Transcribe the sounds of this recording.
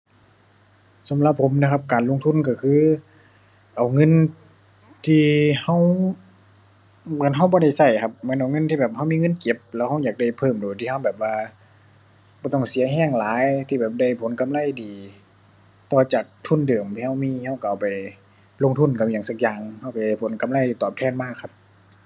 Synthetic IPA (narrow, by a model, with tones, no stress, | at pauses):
sa˨˦mla˧˥pʰːo˨˧˦mna˧kʰa˧p̚kaː˨˩nlo˧˥˨ŋt̪ʰu˧˥˨nka˧˩kʰɯː˧˥˨ | ʔa˨˩wŋɤ˧˥˨n | t̪ʰiː˧ha˧˥˩w | mɯ˧˩ə˨nɦa˧˩wbɔː˧˦ɾa˧˩jsa˧˩jkʰa˧p̚mɯ˧˥˦nʔa˨˩wŋɤ˧˥˨nt̪ʰiː˧bɛː˨˩p̚ha˧˥˨wmiː˧˨ŋɤ˧˥˨nke˧˥p̚lɛː˧˩wha˧˩˨wjaː˨˩k̚da˧˩jpʰɤː˧˩˨mduː˨˩jt̪ʰiː˧ha˧˥˨wbɛː˨˩p̚waː˧ | bɔː˧˦t̪ɔ˧˩ŋsi˨˦ɐɦɛː˧˩˨ŋlaː˨˦jt̪ʰiː˧bɛː˨˩p̚da˧˩jpʰo˨˧˦nka˧˦mla˧˩jdiː˨ | t̪ɔː˧˩t͡ɕaː˨˩k̚t̪ʰu˧˥˨ndɯ˨˩əmt̪ʰiː˧ha˧˥˩wmiː˧˥ha˧˥˩wka˧˨ʔpa˨˩j | lo˧˨ŋt̪ʰu˧˥˩nka˧˩m˨jaː˨˩˦ŋsa˧k̚jaː˨˩ŋha˧˩wpa˨˩jda˨˧˩pʰo˨˦nka˧˦mla˧˩˨diː˨˩t̪ɔː˨˩p̚t̪ʰɛː˧˩˨nmaː˧˩kʰːa˧p̚